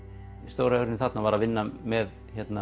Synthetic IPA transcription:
ist̪owɾaœɣɾɪnɪθat̪navaːɾavɪnːamɛð | çɛt̪na

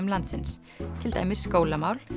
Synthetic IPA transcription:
mlant̪sɪns | t̪ʰɪlt̪a̰jmɪ̥skoːwlamaːwl

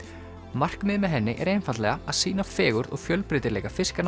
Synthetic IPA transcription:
mar̥kmɪːðmɛðɦɛnːɪʔɛɾejnfant̪lɛɣaaðsiːnafɛːɣʏɾðɔ̰ɣfjœlpɾɪt̪ɪɾlɛːjkafɪskan

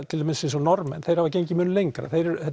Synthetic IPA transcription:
t̪ʰɪlʰemɪnsens̬ɔnɔɾmɛ̰nθejɾ̥havac̬ejɲcɪmʏːnʏlejŋkɾa̰θejɾɛɾhɛ

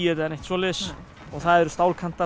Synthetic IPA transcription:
ɛt̪aanejht̪svɔːlɪs | ɔɣθaðɛɾʏst̪aːwlkʰan̥t̪a

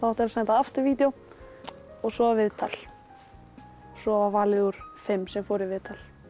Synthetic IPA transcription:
θaht̪ɛɾasɛnt̪aaft̪ʏɾviːt̪jow | ɔɣsɔavɪðt̪ʰal̥ | ɔsɔvavaːlɪɣʏɾ̥fɪmːsɛmfowɾɪvɪðt̪ʰal

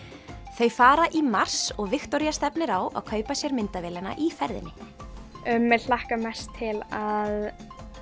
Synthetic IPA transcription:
θejfaːɾaʔimar̥sɔɣvɪxt̪ɔɾijast̪ɛpnɪɾawʔa̰ðkʰœːɥpasjɛɾmɪnt̪avɛːlɛna̰ʔifɛɾðɪ̰nːɪ | ʏmːɛll̥ahkamɛst̪ʰːɪlað

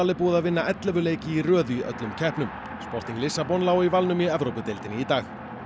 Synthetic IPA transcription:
alɪpuːðavɪnːaʔɛt̪lɛvʏleːjcɪirœːðʏiʔœ̰t̪lʏmcʰɛhpnʏm | spɔr̥t̪niŋklɪsːapɔnlaːwivalnʏmiɛvɾowpʏt̪ejlt̪ɪnɪit̪aːx

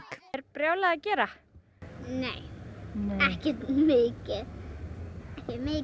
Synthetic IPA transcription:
t̪ɛɾpɾjaːwlaacɛːɾa | nej | ɛhcɛt̪mɪːcɛð | ɛhɛmɪ

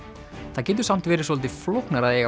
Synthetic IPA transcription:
θaðcɛːt̪̬ʏsam̥t̪vɛːɾɪ̥sɔlt̪̬ɪflowhknaɾaðjɛɣa

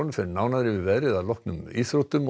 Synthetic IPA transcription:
nfɛɾnaːwnaðɾɪʋɪʋɛːɾɪðalɔhknʏmiːθɾɔt̪ʏm

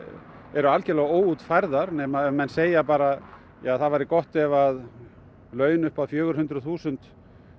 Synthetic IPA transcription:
ɛɾʏalcɛlaɣoːwuːt̪fajɾðaɾnɛːmaðɛmɛnːseːjapaːɾa | jaːθaðvajɾɪkɔht̪ɛvað | lœːɥnʏhpaðfjœːɣʏɾ̥hʏnt̪ɾɔθuːsʏnt̪

